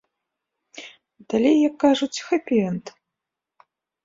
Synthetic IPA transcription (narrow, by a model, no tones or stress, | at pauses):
d̪̥alʲejːɐkːaʐut͡sʲxɐpʲiɛnt̪